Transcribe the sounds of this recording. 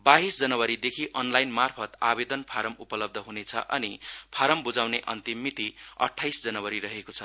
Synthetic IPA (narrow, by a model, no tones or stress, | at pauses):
baɦisd͡zʌnʌwʌɾid̪ekʰiʔʌnlajnmarpʰʌt̪a̰bed̪ʌnpʰaɾʌmupʌlʌb̚d̪ʱʌɦunet͡sʰʌ̰ʔʌ̰nipʰaɾʌmbud͡zawneʔʌ̰nt̪imːit̪iʌ̰ʈʰːajsd͡zʌnʌwʌɾirʌɦekot͡sʰʌ